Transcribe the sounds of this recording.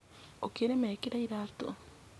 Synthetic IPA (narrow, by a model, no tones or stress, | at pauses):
okeɾemɛːkiɾaiɾaːto̰